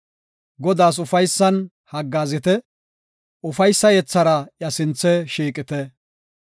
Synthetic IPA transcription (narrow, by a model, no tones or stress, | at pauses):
ɡɔd̪aːs̬ʊfɐjsːɐn | hɐɡːaːzɪt̪ɛ | ʊfɐjsːɐjɛt͡sːɐɾɐjɐsɪnt͡sːɛʃiːkʼɪt̪ɛ